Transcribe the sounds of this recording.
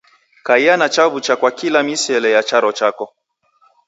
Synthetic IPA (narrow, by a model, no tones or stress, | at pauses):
kaianat͡ʃaβut͡ʃakwakilamisɛlɛjat͡ʃaɾɔt͡ʃakɔ